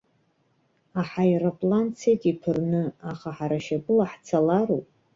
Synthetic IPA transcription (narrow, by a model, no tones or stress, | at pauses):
aħajrapʼlant͡sʰejtʼipʰɨrnɨaχaħaɾaʃapʼɨlaħt͡sʰalarowpʼ